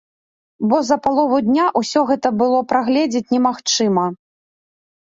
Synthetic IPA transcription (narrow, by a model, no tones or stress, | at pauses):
bɔzɐpalˠɔvud̪ʲnʲaʔusʲɔɣɛt̪ɐbɨlˠɔpɾaɣlʲɛd͡zʲɛt͡sʲnʲɛmaxt͡ʂɨmɐ